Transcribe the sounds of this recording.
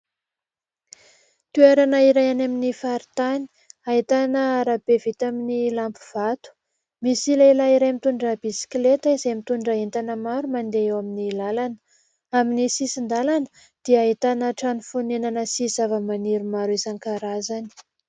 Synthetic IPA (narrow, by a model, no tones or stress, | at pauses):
t̪ueɾanəiɾajanaminifaɾit̪ani̥ | ait̪anəaɾabevit̪aminilampu̥v̥at̪u̥ | misilailaiɾajmit̪uɳɖ͡ʐəbisi̥klet̪əizemit̪uɳɖ͡ʐaɦent̪anəmaɾumand̪eewaminilalanə | aminisisind̪alanə̥ | d̪̥iait̪anəʈ͡ʂanufunenanəsiz̥avəmaniɾumaɾezaŋkaɾazani̥